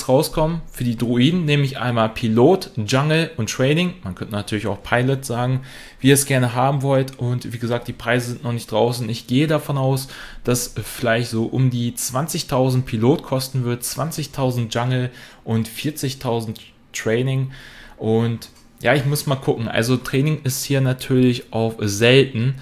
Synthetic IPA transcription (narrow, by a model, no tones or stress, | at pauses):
ʁaʊskʰɔmənfyːɐdiːdʁoiːdn̩nɛːmlɪçʔa̰ɪnmaːlpʰiloːtd͡ʒaŋl̩ʊntːʁ̥ɛɪnɪŋmankʰœntənatʰyːɐlɪça̰ʊxpʰaɪlɛtz̥aːɡŋ̩ | viːiɐsɡ̥ɛɐnəɦaːbm̩vɔltʔʊntv̥iːɡəzaːk̚t̚d̥iːpʁ̥aɪzəzɪntnɔχnɪçtd̥ʁa̰ʊsn̩ɪçɡ̥eːədafɔnaʊsd̥asfɪlaɪçtz̥oːʔʊmdiːt͡sv̥ant͡sɪçtʰaʊzn̩t̚pʰiloːtkʰɔstn̩vɪɐdt͡sv̥ant͡sɪçtʰaʊzn̩t̚ʒ̥aŋl̩ʔʊntfiɐt͡sɪçtʰaʊzn̩tː | ʁ̥ɛɪnɪŋʔʊnt | jaːɪçmʊsmaːlkʰʊkŋ̩ʔa̰lzotʁ̥ɛːnɪŋɪsthiːɐnatʰyːɐlɪçʔaʊfzɛltn̩